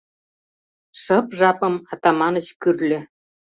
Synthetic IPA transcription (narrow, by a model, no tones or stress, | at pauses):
ʃɤpʒɑpɤ̆mɑt̪ɑmɑnə̆t͡ɕkyrlʲɘ̆